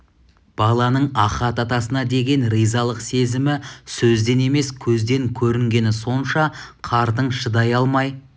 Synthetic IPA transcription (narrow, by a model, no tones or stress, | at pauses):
b̥ɑlˠɑnəɴɑχɑt̪ɑt̪ɑsənɑd̪e̞ɡʲe̞nɾijzɑlˠəqse̞zɪmɪsɵzd̪e̞ne̞me̞skʲʰɵzd̪e̞ŋkʲʰɵɾɪŋɡʲe̞nɪso̞nʃɑqʰɑɾd̪əɴʃəd̪ɑjɑlˠmɑj